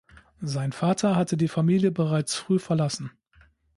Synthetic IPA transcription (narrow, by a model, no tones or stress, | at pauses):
zaɪnfaːtʰɐɦatʰədiːfamiːljəbəʁaɪt͡sfʁ̥yːfɛɐlasn̩